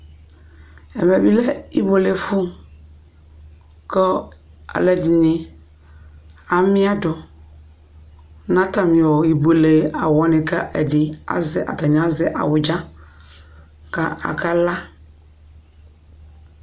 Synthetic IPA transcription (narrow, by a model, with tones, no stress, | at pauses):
ɛ˨mɛ˨bi˦lɛ˦i˦bo˨le˨fu˦ | kɔ˦ | a̰˨lɛ˦dɪ˨nɪ̃˨ | a˨mɪ̃˦a˦dɔ˨ | nã˦ta˨mɪ̃˨wɔ˨i˨bo˨le˨a˨wɔ˨nɪ̃˨ka˦ʔɛ˨dɪ˨a̰˨zɪ˦ʔa̰˨t̪a˨ɲ̃˨a˦zɪ˦ʔa̰˨wʊ˨d͡ʒa˦ | ka˦a̰˨ka˦la˦